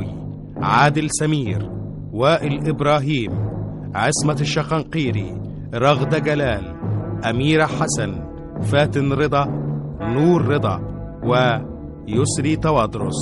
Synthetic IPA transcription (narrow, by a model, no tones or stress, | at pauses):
i | ʕaːd̪ɪlsæmiːɾ | wæːʔɪlʔɪbɾˤɑːɦiːm | ʕɪsmaʃːɑqɑnqiːɾḭ | ɾˤɑɣd̪aɡælæːl | ʔæmiːɾħasan | fæːt̪ɪnɾɨd̪ˤɑnuːɾːɨd̪ˤɑ̰ | wɪ | jʊsɾiːt̪ɑwɑd̪ɾʊsˤ